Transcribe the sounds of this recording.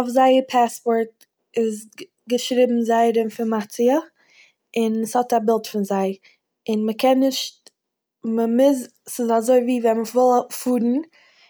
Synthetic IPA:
ʊfzaɪəpʰaspɔɾt | ɪz | ɡəʃɾɪbm̩zaɪɾɪmfɪnmat͡siə | ɪnəshɔtabɪlˠtfɪnzaɪ | ɪnməkʰɛnːɪʃt̚ | məmɪz | sɪzazoɪviːvɛnməvɪlˠfuːɾn̩

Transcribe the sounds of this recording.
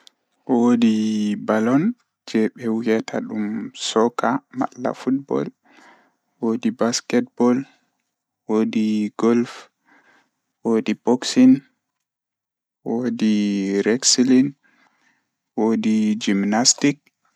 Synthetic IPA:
wodibalɔn | d͡ʒɛɓɛwɛtʰaɗumsɔkama̰lːa̰fut̚bɔ̰l | wodibaskɛt̚bɔl | wodiɡɔlf | wodibɔksin | wodiɾɛksilin | wodid͡ʒimnastik̚

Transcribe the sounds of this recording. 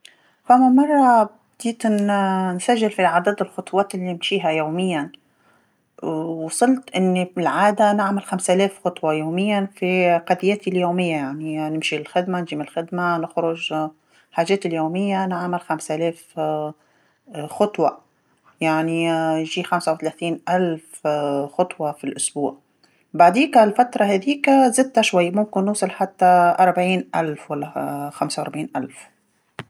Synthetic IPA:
famːamɑrˤːɑbd̪̥iːt̪nnsaʒːɪlfilʕad̪ad̪ɪlxʊt̪ˤwɑːt̪ɪlːimʃiːɦajoːmɪjːan | wsˤɨlt̪ʔɪnːifɪlʕaːd̪anɪʕmɪlxamsʔaleːfxɑt̪ˤwɑjoːmɪjːanfiqɑd̪jaːt̪iljoːmɪjːajaʕninɪmʃilxɪd̪manʒiːmɪnɪlxɪd̪manɪxɾʊʒ | ħaːʒɛːt̪ɪljuːmɪjːanʕamɪlxamsælɛːf | xɑt̪ˤwɑ | jaʕninʒiːxamsawtθalæθiːnʔælfxʊt̪ˤwɑfilʔʊsbṵːʕ | baʕd̪iːkælfat̪ɾˤɑhɛðiːkzɪd̪hæʃwajːmʊmkɪnːuːsˤɑlħat̪ːaʔɑɾˤbʕiːnʔælfwalːæxamsawɑɾˤbʕiːnʔalf

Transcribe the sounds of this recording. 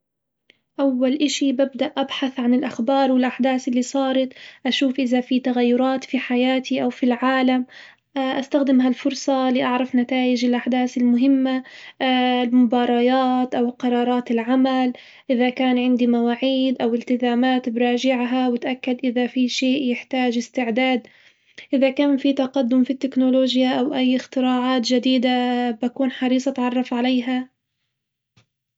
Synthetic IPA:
ʔawːalʔɪʃibab̚d̪aʔʔːabħaθʕanɪlʔaxbɑːɾˤwɪlʔaħd̪aːsɪlːiːsˤɑːɾˤɑt̪ʔaʃuːfʔɪðafit̪aɣajːʊɾˤɑːt̪fiħajaːt̪ʰiʔawfilʕaːlam | ʔaʔast̪axd̪ɪmɦalfʊɾsˤɑlɪʔɑʕɾˤɑfnat̪aːʔɪd͡ʒɪlʔaħd̪aːθɪlmʊɦɪmːa | lmʊbɑːɾˤɑjaːt̪ʔawqɑɾˤɑːɾˤɑːt̪ɪlʕamal | ʔɪðakaːnʕɪnd̪imawaːʕiːd̪ʔawɪlt̪ɪzaːmaːt̪bɾˤɑːʒɪʕɦawɪt̪ʔakːad̪ʔɪðafiʃeːʔjɪħt̪aːʒɪst̪ɪʕd̪aːd̪ | ʔɪðakaːnfit̪ɑqɑd̪ːʊmfit̪ːɪknʊloːʒjaʔawʔajːɪxt̪ɪɾɑːʕaːt̪ʒad̪iːd̪abakuːnħɑɾiːsˤɑt̪ʕɑrˤːɑfʕalejɦa

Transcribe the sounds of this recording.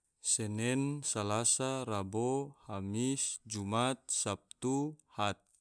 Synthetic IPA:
sɛnɛnsalasarabohamisd͡ʒumat̪̚sap̚t̪uhat̪̚

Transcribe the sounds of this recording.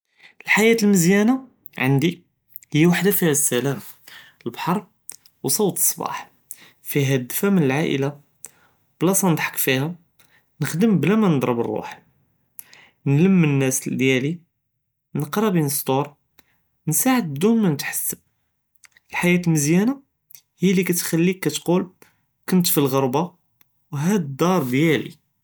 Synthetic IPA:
əlħajæt̪əlməzjæna | ʕə̰nd̪i | həjːwaħd̪afihæsːælæm | əlbħɑɾˤ | wsˤɑwt̪ə̥sˤːbɑ̰ħ | fiɦæd̪fæmnəlʕaʔə̰la | b̥læsˤɑnd̪ħə̥kfihæ | nəxd̪əmblæmænəd̪ˤɾˤəbərˤːṵħ | nləmːənːæsd̪jæli | nəqɾˤɑbinəst̪uɾ | nsaʕəd̪̚bd̪unmænət̪ħḁsːəb̚ | əlħajæt̪əlməzjæna | hijlikæt̪xælːikːæt̪qul | kʊnt̪filɣəɾˤbɑ | wɦæd̪əd̪ɑɾˤd̪jælḭ

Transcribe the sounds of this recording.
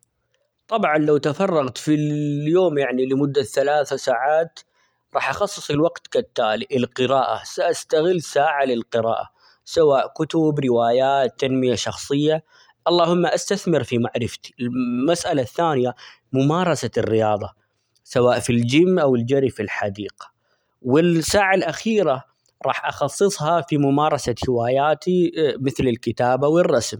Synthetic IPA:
t̪ˤɑbʕɑnlawt̪afɑrˤːɑɣt̪fijoːmjaʕnilɪmʊd̪ːaθalaːθasaːʕaːt̪ | ɾˤɑːħʔɑxɑsˤːɨ̥sˤɪlwaqt̪kat̪ːaːlɪʔɪlqɨɾaːʔa̰saʔast̪aɣɪlːsaːʕalɪlqɨɾa̰ːʔa | sawaːʔkʊt̪ʊbɾɪwaːjaːt̪ːanmɪjaʃɑxsˤɨjːa | ʔɑlˤːɑːhʊmːaʔast̪aθmɪɾfimaʕɾɪft̪i̥ɪlmasʔalaθːaːnja | mʊmɑːɾˤɑsarːɪjɑːðˤɑ | sawaːʔfild͡ʒɪmːʔawɪld͡ʒaɾifilħad̪iːqḁ | wɪlsaːʕalʔaxiːɾa | ɾˤɑ̰ːħʔɑxɑsˤːɨsˤhɑfimʊmɑːɾˤɑsahɪwaːjaːt̪imɪθlɪlkɪt̪aːbawɪrˤːɑsm

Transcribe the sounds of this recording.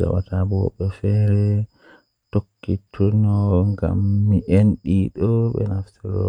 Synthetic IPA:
a̰wa̰tabɔɓɛfɛɾɛ | tokːitʰunɔŋɡa̰mːiʔenɗiɗɔɓɛ̰naftɛɾɔ

